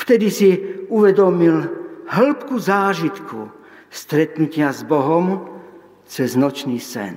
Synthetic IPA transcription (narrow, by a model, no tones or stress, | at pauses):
ft̪ɛd̪isiuʋɛd̪ɔmilɦl̩pkuzaːʒit̪kʰu | st̪ɾɛt̪nucɪazbɔɦɔm | t͡sɛznɔt͡ʃniːsɛ̰n